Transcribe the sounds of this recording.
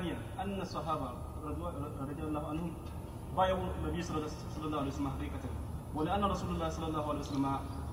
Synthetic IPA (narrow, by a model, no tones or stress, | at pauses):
nɪjanʔanːasˤːɑɦaːba | ɾˤd̪ɾˤɑd̪alˤːaːhuʕanhʊm | bajabuanːabijːs | sˤɑlːɑlˠˤːɑːhaejwsalmaħakiːkatawalɪʔanːaɾˤɑsuːlalˤːaːhɪsˤɑlːɑlˤːɑːhuʕalejwasalːama